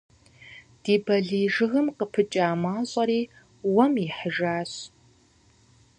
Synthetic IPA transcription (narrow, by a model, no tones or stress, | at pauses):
d̥iːbɐɮiːʒɨɣɨmqəpʰɨt͡ʃʼaːmaːɕʼɐɾiː | wɐmiħəʒaːɕ